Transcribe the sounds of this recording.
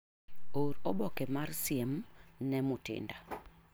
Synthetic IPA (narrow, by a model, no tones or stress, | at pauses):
oɾɔbɔkɛmarsiemnɛmʊtɪ̰nda